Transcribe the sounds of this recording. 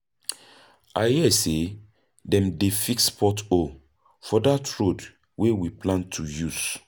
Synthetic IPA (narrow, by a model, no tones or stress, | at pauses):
ahiɛse | dɛ̃mdefikspʰɔto | fɔdatɹod | wewiplãntʰujuz̥